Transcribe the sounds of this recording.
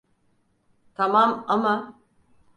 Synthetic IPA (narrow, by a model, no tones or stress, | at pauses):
t̪ʰamamama